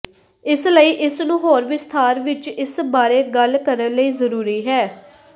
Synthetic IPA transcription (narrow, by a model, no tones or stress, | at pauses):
ɪsləiːʔɪsnũːɦoːɾʋɪst̪ʰaːɾʋɪt͡ʃɪsbaːɾeːɡəlkəɾənləiːzəɾuːɾiːɦɛː